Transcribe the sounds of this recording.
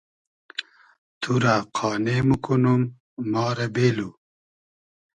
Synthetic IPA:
t̪ʰuɾaqʰɑːneːmukunumː | ɑːɾɐbeːlu

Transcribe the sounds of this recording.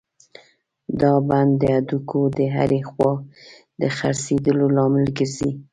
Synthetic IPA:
d̪ɑband̪ːəad̪ukʰod̪əɦa̰ɾexwɑ | d̪əxa̰ɾsed̪əlolɑmɪlɡəɾzi

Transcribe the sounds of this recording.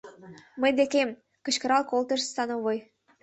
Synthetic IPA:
mə̆jd̪ekem | kɤ̆ɕkɤ̆ɾɑlkolt̪ɤ̆ʃst̪ɑnoβoj

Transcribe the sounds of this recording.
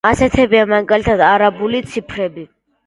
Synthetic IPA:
asɛt̪ʰɛbiamaɡalit̪ʰad̪aɾabulit̪sʰipʰɾɛbi

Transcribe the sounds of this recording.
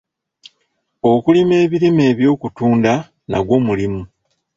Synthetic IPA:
o̞kulime̞ːβiɾime̞ːβjo̞ːkutuːnda | na̰ɡwo̞ːmulimu

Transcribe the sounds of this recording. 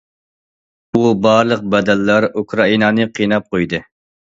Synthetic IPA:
ubɑɾlˠəq̚bɛd̪ɛlːɑɾukʰɾɑinɑːnɨqʰinɑp̚qʰojd̪ɨ

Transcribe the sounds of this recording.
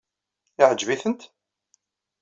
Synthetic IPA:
ɪʕəd͡ʒviθənt̪

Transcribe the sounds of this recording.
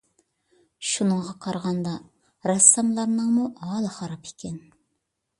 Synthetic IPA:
ʃunəŋʁɑqʰɑɾʁɑnd̪ɑ | ɾɑsːɑmlˠɑɾnɨŋmuʔɑːlˠɨχɑɾɑpʰe̥kʲʰɛn

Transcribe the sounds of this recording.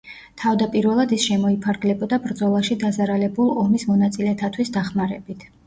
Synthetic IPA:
t̪ʰavd̪apʼiɾvɛlˠad̪isʃɛmɔipʰaɾɡlɛbɔd̪abɾd̪zɔlˠaʃid̪azaɾalɛbulˠɔmismɔnat̪sʼilɛt̪ʰat̪ʰwisd̪aχmaɾɛbit̪ʰ

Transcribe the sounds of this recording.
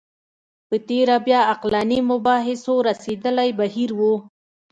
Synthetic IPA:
pət̪eɾabjɑaqlɑnimʊbɑɦɪsoɾased̪əlajbahiɾwu

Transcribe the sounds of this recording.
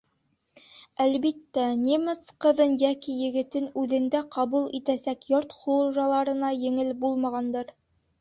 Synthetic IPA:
ælβit̪ːænʲemɤsqɤ̆ðɤnjækijɘ̆ɡɘ̆t̪ɘnʉðɘ̆nd̪æqɑβulˠit̪æsækjoɾt̪χŭʒɑlˠɑɾɤ̆nɑjɘ̆ŋɘlbulˠmɑʁɑnd̪ɤɾ

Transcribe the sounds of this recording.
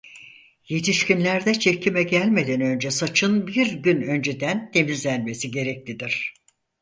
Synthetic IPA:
je̞t̪ʰiʃcimlʲæɾd̪ɛt͡ʃʰecʰimɛɟælʲme̞d̪ænø̞nd͡ʒɛsat͡ʃʰɯnbiɾɟynø̞nd͡ʒed̪ænt̪ʰe̞mizlʲænme̞siɟe̞ɾɛc̚lʲid̪iɾ̥

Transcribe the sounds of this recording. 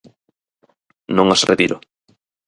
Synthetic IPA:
nõŋasrḛt̪iɾʊ̰

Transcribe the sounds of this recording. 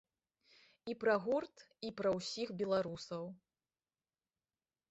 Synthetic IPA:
ipɾɐɣurt̪ | ipɾɐwsʲixbʲɛlˠaɾusɐw

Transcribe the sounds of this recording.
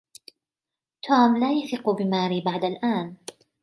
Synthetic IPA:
t̪ʰuːmlaːjaθɪqʊbɪmaːɾiːbaʕd̪alʔaːn

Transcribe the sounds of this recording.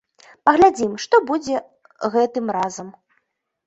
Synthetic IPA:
pɐɣlʲad͡zʲimʂt̪ɔbud͡zʲɛ | ɣɛt̪ɨmɾazɐm

